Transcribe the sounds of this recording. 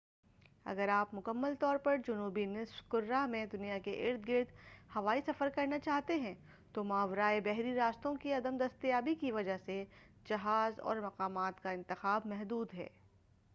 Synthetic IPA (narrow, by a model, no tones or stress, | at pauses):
ɐ̰ɡəɾaːpmʊkəmːəlt̪ɔːɾpɐɾd͡ʒɐnuːbinɪsfkʊɾːamẽd̪ʊnijakeʔɪ̰ːɾt̪̚ʰɡɪɾd̪hɐʋaːisɐfəɾkɐɾnat͡ʃaːɦt̪eɦɛ̃ | t̪omaːʋɾaːebɛɦɾiɾaːst̪õkiɐd̪əmd̪ɐst̪jaːbikiʋɐd͡ʒaɦse | d͡ʒɐɦaːzɔ̰ːɾmɐqaːmaːt̪kaɪ̃nt̪ɪxaːbmɛɦd̪uːd̪ɦɛ̰ː